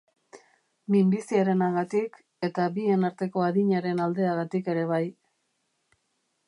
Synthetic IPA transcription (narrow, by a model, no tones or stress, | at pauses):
mimbisiaɾe̞naɣat̪ik | e̞t̪abie̞naɾt̪e̞ko̞aðiɲaɾe̞nald̪e̞aɣat̪ike̞ɾe̞β̞aj